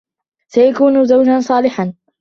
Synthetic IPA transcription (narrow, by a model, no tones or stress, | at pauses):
sajakuːnʊzawd͡ʒansˤɑːlɪħan